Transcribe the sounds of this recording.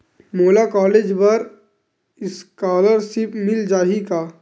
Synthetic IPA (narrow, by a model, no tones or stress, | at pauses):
moːlakɔːleːd͡ʒbɐɾ | ɪskaːləɾʃɪpmɪld͡ʒaːɦikaː